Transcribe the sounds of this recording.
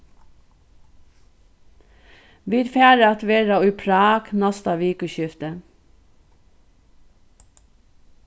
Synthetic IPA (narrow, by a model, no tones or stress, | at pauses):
ʋɪɾfæːɾəɑt̪ʋeːɾɑʉːpʰɾɑːknɑst̪ɑʋiːkʉʃʏft̪ə